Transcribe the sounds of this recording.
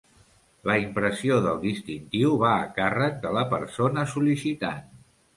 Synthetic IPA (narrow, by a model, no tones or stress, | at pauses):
ləimpɾəsioðəlˠd̪ist̪int̪iwβaːkarək̚d̪ələpəɾsonəsulisit̪a̰n